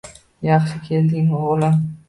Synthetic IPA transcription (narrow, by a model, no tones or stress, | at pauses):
jɑχʃɪkʲʰe̞ld̪ɪŋoʁlɪm